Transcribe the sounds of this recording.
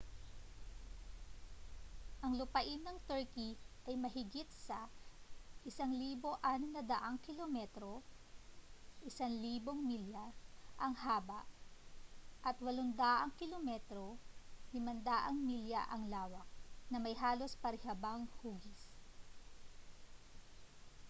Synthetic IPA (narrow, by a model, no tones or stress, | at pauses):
ʔɐŋlʊpɐʔɪnːɐŋt̪ɛɹkiʔɐjmɐɦɪɡit̪̚sɐ | ʔɪsaŋliːbo̞ʔaːnonɐd̪ɐʔaŋkɪlomɛt̪ɾo̞ | ʔɪsanliːbo̞ŋmiljaʔɐŋhaːbɐ̰ʔ | ʔɐt̪wɐlond̪aːʔɐŋkɪlomɛt̪ɾod̪ɪmɐnd̪aʔɐŋmilja̰ʔɐŋlaːwɐk̚nɐmɐjɦaːlo̞spɐɾɪhɐbaŋhuːɡɪs